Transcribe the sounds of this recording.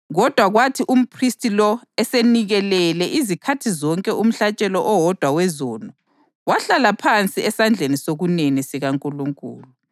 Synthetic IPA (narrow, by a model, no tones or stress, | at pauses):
ɣɔd̥ʱwaɣwatʰiʔum̩pʰristʰʼilɔɛseniɣɛlɛlɛʔizikʰatʰizɔŋkʼɛʔum̩ɬat͡ʃʼɛlɔʔɔwɔd̥ʱwawɛzɔnɔ | waɬalapʰant͡sʼiɛsand͡ɮʱenisoɣunenisiɣaŋkʼuluŋkʼṵːlu